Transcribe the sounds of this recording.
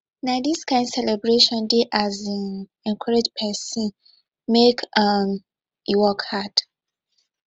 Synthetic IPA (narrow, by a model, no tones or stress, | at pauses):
nadiskãɪ̃ndsɛlɛbɹeʃɔ̃ndeʔazan | ɛ̃nkʰwaɹed͡ʒpʰɛsĩn | mekʰam | iwɔkhad̥